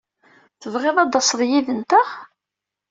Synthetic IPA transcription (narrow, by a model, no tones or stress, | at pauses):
θəvʁeðˤɑd̪ˤɑsðˤjiðənt̪əχ